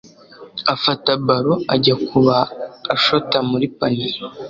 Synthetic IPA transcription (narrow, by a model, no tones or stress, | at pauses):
afatabaɾoaɟakʰuβaːʃotamuɾipaniɾi